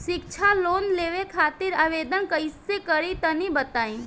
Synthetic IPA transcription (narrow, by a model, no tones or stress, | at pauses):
ʃɪk̚t͡ʃʰaloːnleːʋekʰaːt̪ɪɾaːʋeːd̪ənkəɪsekəɾit̪ɐnibət̪aːĩː